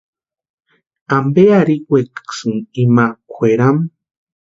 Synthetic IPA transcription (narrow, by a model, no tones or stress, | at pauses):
ambeaɾiwʷeksunimakʷeɾam